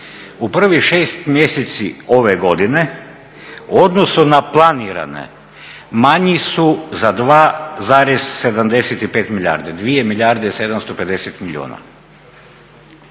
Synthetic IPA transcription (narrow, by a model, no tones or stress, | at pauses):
upr̩ʋiʃe̞ːst̪mje̞set̪sio̞ʋeɡo̞d̪ine̞ | uo̞d̪nosunaplˠaniɾa̰nḛ | maɲisuzad̪ʋaːzaːɾez̥se̞d̪amd̪eset̪ipeːt̪miʎʲa̰ːɾd̪ed̪ʋije̞milʎʲaːɾd̪ese̞d̪amst̪o̞pe̞d̪e̞set̪miʎʲio̰ːna̰